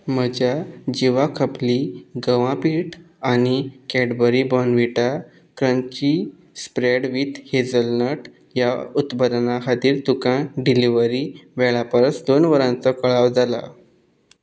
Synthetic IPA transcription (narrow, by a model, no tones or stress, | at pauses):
məd͡ʑjad͡ʑiʋakʰəpliɡəʋãpiʈ | añikɛɽbəɾibɔnʋiʈa | kɾənt͡ɕi | spɾeɽʋit̪hed͡zəlnəʈ | jaut̪pəd̪naɦad̪iːɾt̪ukãɖiliʋəɾiʋɛɭapəɾət͡sd̪onʋəɾãnt͡səkəɭaʋd͡zala̰